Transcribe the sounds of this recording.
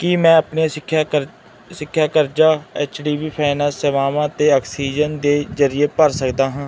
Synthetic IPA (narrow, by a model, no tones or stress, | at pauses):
kimɛ̃ːəpneːɪkʰːj | sɪkʰːjaːkəɾd͡ʒaːɛːt͡ʃɖiːʋiːpʰaːɪnɛːsɛːʋaːmãːt̪eːɔːksiːd͡ʒənd̪eːzəɾɪeːpəɾsəkd̪aːɦãː